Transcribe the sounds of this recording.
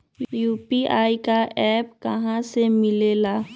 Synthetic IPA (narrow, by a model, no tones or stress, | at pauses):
juːpiaːikaʔɛːpkɐɦãsemɪleːlaː